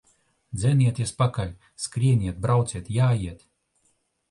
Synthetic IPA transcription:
d̪zʲɛnʲiɛt̪ʲjɛspakalʲ | skɾʲiɛnʲiɛt̪̚bɾʔawt̪siɛt̪jaːjiɛt̪ʲ

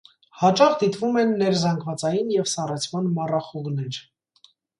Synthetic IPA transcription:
hɑt͡ʃɑχd̪it̪vumɛnːɛɾzɑŋɡvɑt͡sɑjinjɛvsɑrɛt͡sʰmɑnmɑrɑχuʁnɛɾ

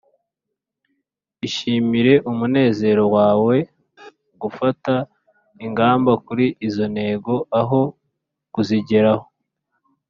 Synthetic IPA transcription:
iʃiːmiɾe̞ʔumune̞ːze̞ɾo̞waːwe̞ | ɡufata | iŋɡaːmbakuɾiʔizo̞ne̞ɡo̞aɦo̞ | kuziɟe̞ɾaho̞̥

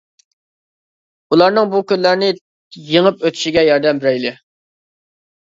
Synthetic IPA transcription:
ulˠɑɾnɨŋbukʲynlæɾnɪ | jəŋəpøt̪ʰy̥ʃiɡʲɛjɑɾd̪ɛmbɪɾɛjlɪ

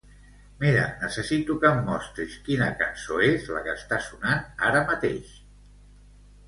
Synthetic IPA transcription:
miɾə̰nəsəsit̪ukəmːɔst̪ɾiskinəkənsoezlə̰kəst̪asunana̰ɾəmət̪ḛʃ

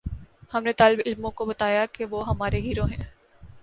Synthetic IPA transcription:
hɐmnet̪aːlɪbɪlmõkobɐt̪aːjakeʋoːɦɐmaːɾeɦiːɾoɦɛ̃ː

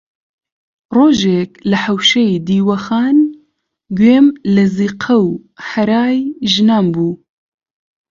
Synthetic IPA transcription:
roːʒeklɨħɐwʃɛjiːd̪iːwɐxaːn | ɡweːmlɨziːqʰɐwħɐɾaːjʒɨnaːmbuː

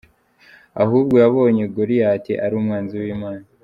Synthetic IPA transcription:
ahuːbɡo̞jaβo̞ːɲeɡoɾijaːteʔaɾuːmŋaːnziwiːmaːna

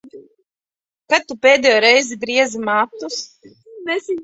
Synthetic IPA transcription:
kat̪ːupʲeːd̪ɛjoɾɛjzibɾiɛzimaːt̪us | nɛsi

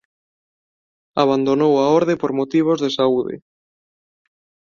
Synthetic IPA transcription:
aβand̪onowaoɾðepoɾmot̪iβ̞ozðesauðɪ̰

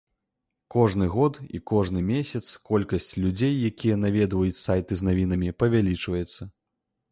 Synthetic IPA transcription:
kɔʐnɨɣɔt̪ḭkɔʐnɨmʲesʲɐt̪skɔlʲkɐsʲt͡sʲlʲud͡zʲejːakʲijɐnavʲɛd̪vɐjut͡sʲsajt̪ɨznavʲin̪ɐmʲipɐvʲalʲit͡ʂvɐjɛt̪sːɐ

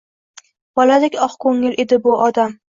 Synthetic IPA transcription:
b̥ɒlad̪ekʲɒχkʰoŋːɪle̞d̪ɪbʊʔɒd̪am

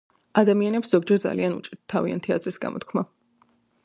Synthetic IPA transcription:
ad̪amianɛpsz̥ɔɡd͡ʒɛɾd̪za̰lianṵt͡ʃʼiɾt̪̚t̪ʰːavia̰nt̪ʰia̰zɾisɡa̰mɔ̰t̪ʰkʰma

